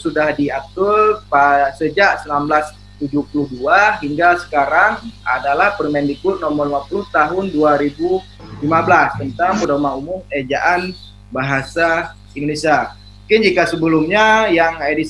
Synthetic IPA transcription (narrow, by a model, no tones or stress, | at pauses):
sudahdiat̪ʊrpasəd͡ʒaʔsənamblas | t̪ud͡ʒupuluhduaɦiŋɡasə̥kaɾaŋa̰dalahpərimɛndikʊnɔmɔrlimapulʊht̪aɦʊnduaɾibu | limabəlast̪ənt̪aŋpudaumaumʊmed͡ʒaʔan | baɦasa | indonesia | ukɪnd͡ʒikasəbəlʊmɲajaŋaedi